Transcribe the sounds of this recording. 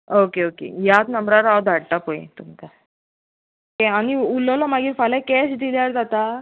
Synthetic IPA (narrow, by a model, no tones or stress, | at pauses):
okeokḛjat̪nəmbɾaɾaʋd̪ʱaɽʈ̪apoḛt̪umt͡sa | okeañiulɔlɔmaɡiːɾfalakɛsit̪ilaɾd͡zat̪a